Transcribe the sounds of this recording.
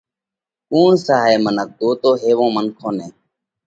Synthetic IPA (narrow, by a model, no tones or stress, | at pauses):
kuːɳsaːɦeːmənək̚d̪oːt̪oːɦeːʋõːmənkʰõːnẽː